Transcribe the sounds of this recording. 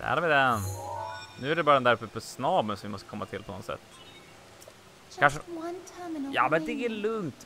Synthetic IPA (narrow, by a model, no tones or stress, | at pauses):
æ̰ːɾvɪd̪ɛn | nʉ̟ːæɖɛbɑɾd̪ɛnd̪æɾɵfːəpʰɔsnɑːbənsɔmvɪmɔst̪əkʰɔmːat̪ʰɪlpʰɔnɔt̪sɛ̰t̪ː | kanʂə | jɑ̰ːmɛnd̪ɛælɵŋt̪